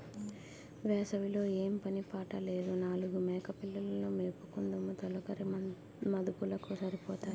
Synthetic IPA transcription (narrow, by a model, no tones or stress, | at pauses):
ʋɛːsɐʋilo̞ːeːmpɐnipaːʈɐle̞ːd̪unaːluɡumɛːkɐpilːɐlɐloːmeːpukund̪ɐmut̪ɔlɐkɐɾi | mɐd̪ukulɐkusɐɾipɔːt̪aː